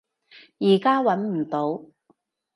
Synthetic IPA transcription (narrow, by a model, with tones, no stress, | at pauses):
jiː˨˩kaː˥wɐ˨˧˥nm̩˨˩t̪o˨˥w